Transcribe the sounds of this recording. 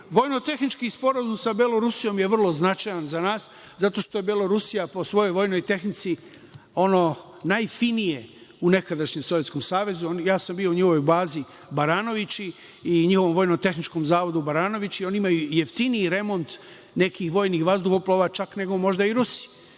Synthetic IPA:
ʋo̞jno̞t̪e̞xnit͡ʃkispo̞ɾazumsabelˠo̞ɾusijo̞mje̞ʋr̩lˠo̞znat͡ʃajanzanaːs | zat̪o̞ʃt̪o̞jebelo̞ɾusijapo̞sʋo̞jo̞jʋo̞jno̞jt̪e̞xnit̪si | o̞no̞ | najfinije̞une̞kad̪aʃɲemsojesko̞msaːʋe̞zuonjaːsambio̞uɲixoʋojbaːzi | baɾaːno̞ʋit͡ɕiː | ɲixo̞ʋomʋo̞jnot̪e̞xnit͡ʃko̞mzaːʋo̞d̪ubaɾaːno̞ʋit͡ɕio̞niimajuje̞ft̪iniiɾe̞mo̞nt̪ | ne̞kixʋo̞ːjnixʋazd̪uxoploʋaːt͡ʃakne̞ɡo̞mo̞ʒd̪aiɾusi̥

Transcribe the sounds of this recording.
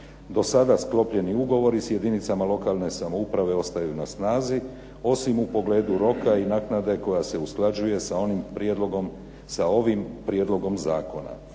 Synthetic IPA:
d̪o̞sad̪asklo̞pʎe̞niuɡo̞ʋo̞ɾisje̞d̪init̪samalˠo̞kaːlˠne̞samo̞upɾaʋe̞o̞st̪ajunasnaːzi | o̞simupo̞ɡle̞ːd̪uɾo̞kainaːknad̪e̞ko̞jase̞usklˠad͡ʑuje̞snimpɾed̪oɡom | sao̞ʋimpɾije̞d̪lˠo̞ɡo̞mzaːko̞na̰

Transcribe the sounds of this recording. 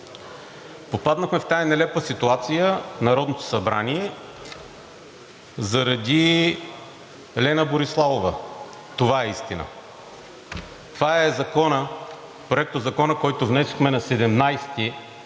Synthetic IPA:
popad̪nɐxmɛft̪ajɐnɛlɛpvəsit̪uat̪sijənɐɾɔd̪not̪o̥sɐbɾa̰niɛ | zɐɾɐd̪i | lɛnəboɾislˠavovə | t̪ovaɛist̪inə̰ | t̪ovaɛzɐkɔnə | pɾoɛk̚t̪ozɐkɔnəkɔjt̪ovnɛsoxmɛnɐsɛd̪ɛmnajst̪i

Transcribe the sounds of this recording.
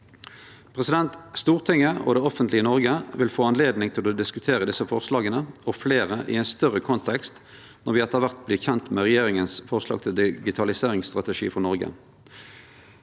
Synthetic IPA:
pʰʁɛsɪd̪ɛnt̪st̪uːʁt̪ʰɪŋːəɔ̰d̪ɛːɔfənt̪lɪənɔʁɡəʋɪlfoːɑnleːd̪nɪŋt̪ʰɪlod̪ɪskʉt̪ʰeːʁəd̪ɪsəfɔʁslɑːɡənəɔfleːʁəʔɪ̰ɛɪnst̪œʁəkʰɔnt̪ʰɛkst̪ | nɔʁʋɪɛt̪əʁʋæʁt̪̚blɪːçɛnt̪mɛʁɛjeːʁɪŋənsfɔʁslɑ̰ɡt̪ʰɪld̪ɪɡɪt̪ʰɑlɪseːʁɪŋst̪ʁɑt̪əʂḭːfɔʁnɔʁɡə̰

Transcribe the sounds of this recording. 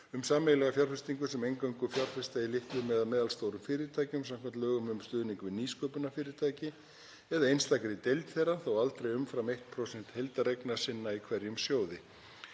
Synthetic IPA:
ʏmsaːmɛjlɛɣafjaɾrfɪst̪iŋkʏsɛmejŋkawŋkʏfjar̥fɪ̥st̪ajɪlɪht̪lʏmɛːðamɛːðalst̪owɾʏmfɪːɾɪt̪ʰaːjcɪmsamkʰɛmt̪lœːɣʏmʏmst̪ʏːðniŋkvɪniːskœːpʏnafɪːɾɪɾt̪ʰaːjcɪ | ɛðaejnst̪akɾɪɪt̪ejlt̪θeɾaθawalt̪ɾejʏmfɾamejht̪̚pʰɾosɛn̥t̪hejlt̪aɾejknasɪnːaikʰvɛɾjʏmsjoːwðɪ

